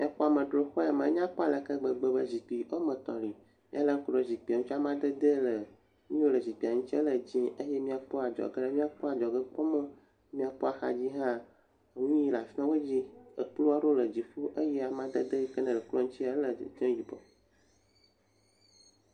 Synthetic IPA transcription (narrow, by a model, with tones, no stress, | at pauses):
mi˦a˦k͡pɔ˦a˨mə̃˨ɖɾo˨xɔ˦a˨mə̃˨˦ɲ˦ã˦k͡pɔ˦a˨lə˨kə˦ɡ͡bə˨ɡ͡bə˨bə˨zi˨k͡pi˨o˦mə̃˨t̪ɔ̰̃˨li˨ | mĩ˦a˦lə˦ŋ̩˦kɖɔ˨zi˨k͡pi˨a˨ŋũ˦t͡ʃi˦a˦mã˦d̪ə˦d̪ə˦lə˨ | ɲĩ˦o˦lə˨zi˨k͡pi˨a˨ŋũ˦t͡ɕi˦e˦lə˨d͡ʑĩ˦ə˦je˦mĩ˦a˨k͡po˦a˨d͡ʒɔ̰˨ɡə˦ɖɛ˦mĩ˦a˦k͡pɔ˦a˨d͡ʒɔ˨ɡə˦k͡pɔ˦mə̃˦ | mĩ˦a˨k͡pɔ˦a˨xa˨d͡ʑi˦ɦã˦˨ | ŋũ˦ji˦la˨fi˦nã˦we˦d͡ʑi˦ə̰˨k͡plu˦a˦ɖo˦lə˨d͡ʑi˨fu˦ʔə˦jɛ˦a˨mã˦d̪ə˦d̪ə˦i˦kə˦nə̃˨lə˨klɔ˦ŋũ˦t͡ɕi˦a˨˦lə˨d͡ʒɛ̃˦ji˨bɔ̰˨